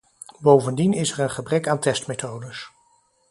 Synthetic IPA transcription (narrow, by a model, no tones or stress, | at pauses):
bowvəndinɪsɛɹənχəbrɛkaːntɛstmejtowdəs